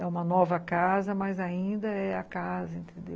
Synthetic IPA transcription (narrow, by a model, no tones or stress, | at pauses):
ɛũmɐnɔvɐkazɐmɐjzaĩnd̪ɐɛɐkazɐẽnt̪ẽnd̪ḛw